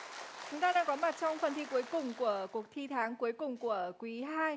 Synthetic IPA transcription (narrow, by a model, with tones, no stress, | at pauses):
t͡ɕʊ˨˦ŋ͡mt̪aː˧ɗaː˧ŋkɔ˨˦ma˨˩t̚t͡ɕɔ˧wŋ͡mfə˨˩nt̪ʰi˧ku˨˦əjkʊ˨˩ŋ͡mku˧˩əku˨˩ək̚t̪ʰi˧t̪ʰaː˨˦ŋku˨˦əjkʊ˨˩ŋ͡mku˧˩əkwi˨˦ɦaː˧j